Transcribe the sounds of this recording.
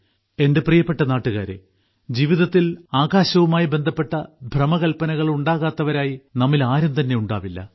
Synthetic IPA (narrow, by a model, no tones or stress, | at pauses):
e̞nde̞prijɐpːe̞ʈːɐnaːʈːuɣa̰ːɾḛ | d͡ʑiʋiðɐt̪ːilaːɡaːɕɐʋumaːjibe̞nd̪ʱɐpːe̞ʈːɐbʱrɐmɐɣɐlpɐnɐɣɐɭuɳɖaːɣaːt̪ːɐʋɐɾaːjinɐmːilaːɾɐmt̪ɐnːe̞uɳɖa̰ːʋilːɐ̰